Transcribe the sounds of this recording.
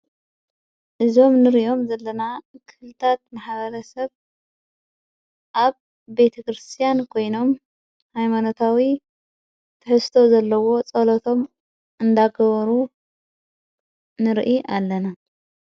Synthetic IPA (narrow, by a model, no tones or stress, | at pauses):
ʔɨzo̞mnɨɾiʔo̞mzɐlːɐnakʰɨhlɨt̪ʰat̪̚maħβɐɾɐsɐβ | ʔaβː | e̞t̪ʰɐkɾɨst̪ʰijankʰo̞jno̞m | hajmanot̪ʰawi | t̪ʰɨħɨst̪ʰo̞zɐlːɐwo̞t͡sʼɐlot̪ʰo̞m | ɨnd̪aɡɐβɐɾu | nɨɾʔiʔalːɐna